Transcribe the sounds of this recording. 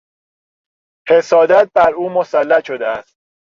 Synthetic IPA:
hesɒːd̪æt̪̚bæɾuːmosælːæʃod̪eæst̪̚

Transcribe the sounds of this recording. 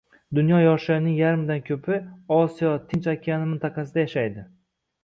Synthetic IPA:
d̪ʊnjɒjɒʃnɪŋjaɾmd̪ankʲʰɵpʰɪɒsijɒt̪ʰɪnt͡ʃakʲʰianɪmɪnt̪ʰɑqʰɑsɪd̪ajaʃajd̪ɪ

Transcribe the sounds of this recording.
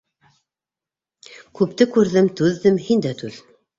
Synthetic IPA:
kʉp̚t̪ɘkʉɾðɘmt̪ʉðːɘmhind̪æt̪ʉð

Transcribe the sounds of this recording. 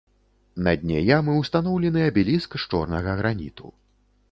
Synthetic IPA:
nɐd̪ʲnʲḛjamɨwst̪anɔwlʲɛnɨjɐbʲilʲiskʂt͡ʂɔrnɐɣɐɣɾanʲḭt̪ṵ

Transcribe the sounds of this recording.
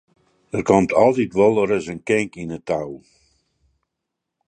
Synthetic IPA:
dərkɔntʰɔlˠtitʋɔlˠərəsənkɪŋkinətaw

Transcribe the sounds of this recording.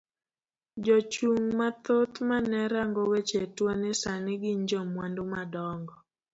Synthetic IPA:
d͡ʒɔt͡ʃuŋmat̪ot̪manɛɾaŋɡowet͡ʃetwanɪsanɪɡɪɲd͡ʒɔmwandomadɔŋɡɔ

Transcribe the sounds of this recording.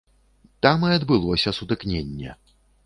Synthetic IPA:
t̪amɨɐd̪bɨlˠɔsʲɐsut̪ɨknʲenʲːɛ̰

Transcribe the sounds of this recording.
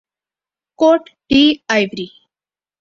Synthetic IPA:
koʈɖiajʋɾi

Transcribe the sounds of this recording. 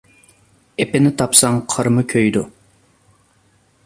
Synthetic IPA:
epɪnɪt̪ʰɑpsɑŋqʰəɾmɨkʲʰøjd̪u

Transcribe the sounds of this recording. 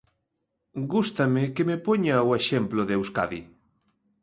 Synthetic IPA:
ɡust̪amɪkemepɔɲaoeʃemplʊðewska̰ði

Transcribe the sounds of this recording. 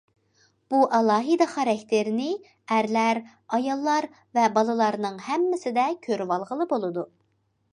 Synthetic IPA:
b̥uʔɑlˠɑːɦɨd̪ɑχæɾɛkʲt̪ʰɪɾnɪ | æɾlæɾ | ɑjɑlˠːɑɾ | vɛbɑlˠɨlˠɑɾnɨŋhɛmːɪsɪd̪ɛkʲʰøɾwɑlˠʁəlˠɨbolˠɨd̪u

